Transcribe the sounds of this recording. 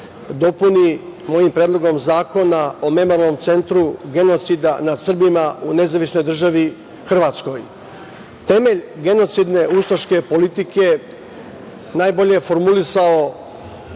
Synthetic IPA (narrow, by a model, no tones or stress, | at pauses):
d̪o̞punimo̞jimpɾed̪lˠo̞ɡo̞mzaːko̞nao̞me̞moɾalno̞mt̪se̞nt̪ɾuɡe̞no̞t̪sid̪anad̪sr̩bimaune̞zaʋisno̞jd̪r̩ʒaʋi | xr̩ʋat̪sko̞j | t̪e̞me̞ʎɡe̞no̞t̪sid̪ne̞ust̪oʃke̞po̞lit̪ike̞ | naːjbo̞ʎe̞efo̞ɾmulisao